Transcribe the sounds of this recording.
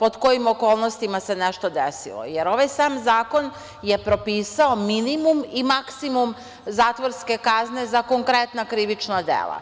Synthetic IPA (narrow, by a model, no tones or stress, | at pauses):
po̞d̪ko̞jimokoːlˠnost̪imase̞neʃt̪o̞d̪esḭlˠo̰jeɾo̞ʋajsaːmzaːko̞n | je̞pɾo̞piːsaominimumimaksimum | zaːt̪ʋoɾske̞kazne̞zako̞ŋkɾet̪nakɾiʋit͡ʃnad̪ḛːlˠa̰